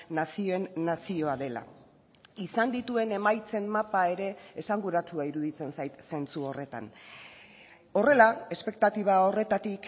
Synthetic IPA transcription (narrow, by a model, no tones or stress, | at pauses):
nasio̞e̞nːasio̞aðe̞la̰ | isand̪it̪ue̞ne̞majt͡se̞nmapae̞ɾe̞ːsaŋɡuɾat͡suaiɾuðit͡se̞nsajt̪se̞nt͡suo̞re̞t̪a̰n | o̞re̞lae̞spe̞k̚t̪at̪iβ̞ao̞re̞t̪at̪ik